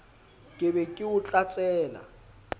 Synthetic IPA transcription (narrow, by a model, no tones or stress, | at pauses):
kʼɪbɛkʼɪʊt͡ɬʼat͡sʼɛːla̰